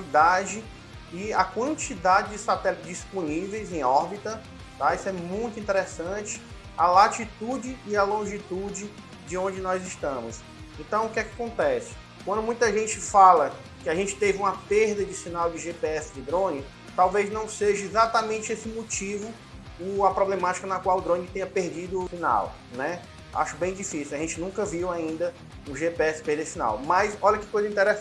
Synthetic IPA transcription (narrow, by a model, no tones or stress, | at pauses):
lid̪ad͡ʒɪ | iɐkwɐ̃nt͡ʃid̪ad͡ʒɪd͡ʒɪsat̪ɛlɪd͡ʒisponivejzẽj̃ɔɾbit̪ɐ | t̪aisʊɛmũj̃t̪ʊĩnt̪ɛɾesɐ̃t͡ʃɪ̥ | ɐlat͡ʃit̪ud͡ʒɪːɐlõʒit̪ud͡ʒɪ | d͡ʒɪõnd͡ʒɪnɔjzɪʃt̪ɐ̃mʊs | ẽnt̪ɐ̃w̃ʊkɛkɪakõnt̪ɛsɪ̥ | kwɐ̃nd̪ʊmũj̃t̪ɐʒẽnt͡ʃɪfalɐ | kɪaʒẽnt͡ʃɪ̥t̪evɪũmɐpeɾd̪ɐd͡ʒɪsĩnawd͡ʒɪʒepeɛsɪd͡ʒɪd̪ɾõnɪ | t̪awveznɐ̃w̃seʒɐɛzat̪amẽnt͡ʃɪesɪmot͡ʃivʊ | ũɐpɾoblẽmat͡ʃi̥kɐnɐkwawʊd̪ɾõnɪt̪ẽɲɐpeɾd͡ʒid̪ʊsina̰w | nɛ | a̰ʃʊbẽj̃d͡ʒifisiwɐʒẽnt͡ʃɪnũkɐviwaĩnd̪ɐ | ũʒepeɛsɪ̥pehd̪ɐd͡ʒɪsĩna̰wmɐsɔʎɐkɪ̥kojzɐĩt̪ɛɾɛ